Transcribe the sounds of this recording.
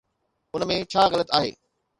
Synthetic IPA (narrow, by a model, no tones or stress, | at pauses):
ʊnmẽt͡ɕʰaːɣɐlət̪aːɦḛː